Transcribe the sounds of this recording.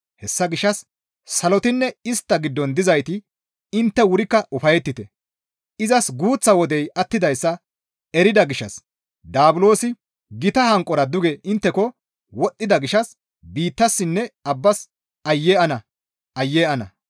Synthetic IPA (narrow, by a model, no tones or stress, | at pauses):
hɛsːɐɡɪʃːɐsː | ɐlɔt̪ɪnːɛɪst̪ːɐɡɪd̪ːɔnd̪ɪzɐjt̪ɪ | ɪnt̪ːɛwʊɾɪkːɐʔʊfɐjɛt̪ːɪt̪ɛ | ɪzɐsɡuːt͡sːɐwɔd̪ɛjɐt̪ːɪd̪ɐjsːɐ | ɛɾɪd̪ɐɡɪʃɐ̰s | d̪aːbʊlo̞ːsɪ | ɡɪt̪ɐhɐŋkʼːɔɾɐd̪ʊɡɛɪnt̪ːɛkɔ | wɔt̪ʼːɪd̪ɐɡɪʃɐs | biːt̪ːɐsːɪnːɛɐbːɐs | ɐjːeːʔɐnɐ | ɐjːeːɐnɐ̰